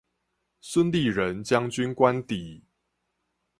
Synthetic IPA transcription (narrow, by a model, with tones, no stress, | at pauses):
swə˦nli˥˨ɻə˨˦nt͡ɕja˦ŋt͡ɕy˦nkwa˦nt̪i˨˩˦